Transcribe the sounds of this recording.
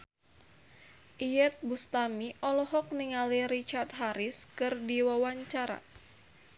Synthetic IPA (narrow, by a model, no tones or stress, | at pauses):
ʔijɛt̪̚bust̪amiʔɔlɔɦɔk̚niŋaliɾit͡ʃart̪̚ɦaɾɪskɨrdiwawaɲt͡ʃaɾa̰